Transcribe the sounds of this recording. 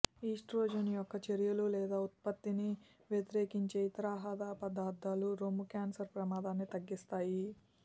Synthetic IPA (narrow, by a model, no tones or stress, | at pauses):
iːʂʈɾoːd͡ʒɐnijɔkːɐt͡ʃeɾjɐlulɛːd̪aːut̪̚pɐt̪ːini | ʋjet̪iɾe̞ːkiɲt͡ʃeːjit̪ɐɾaːɦaːd̪aːpɐd̪aːɾd̪aːluɾoːmukaːnsɐɾpɾɐmaːd̪aːnːit̪ɐɡːist̪aːji